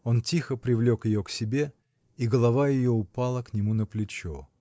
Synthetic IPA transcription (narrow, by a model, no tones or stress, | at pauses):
o̞ntʲixəpɾʲɪvlʲo̞kjɪjoksʲɪbʲe̞ | iɡəlˠɐvajɪjoʊpalˠəknʲɪmunəplʲɪt͡ɕo